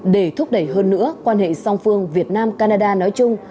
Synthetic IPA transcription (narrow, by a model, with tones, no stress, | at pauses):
ɗe˧˩t̪ʰʊ˦˥k͡p̚ɗə˧˩jɦəː˧nːɨ̰˧˥əkwaː˧nhḛ˧˨sa˧wŋ͡mfɨ˧əŋvi˨˩ət̚naː˧mkaː˧naː˧ɗaː˧nɔ˨˦jt͡ɕʊ˧ŋ͡m